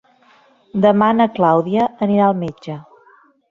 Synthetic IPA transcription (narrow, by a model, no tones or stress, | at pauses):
d̪əmanəklawðiəːniɾaəlˠmed͡ʒə